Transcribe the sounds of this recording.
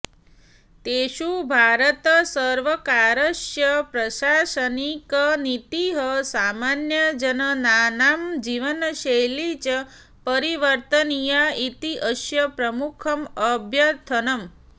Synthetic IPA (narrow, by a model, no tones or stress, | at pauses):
t̪eʃubʱaɾət̪əsəɾʋəkaɾəʃjəpɾəʃaʃənikənit̪iɦəsamanjəd͡ʒənənanamd͡ʒiʋənʃejlit͡ʃ | pəɾiʋəɾt̪ənijait̪iʔəʃjəpɾəmukʰəməbʱjət̪ʰənəm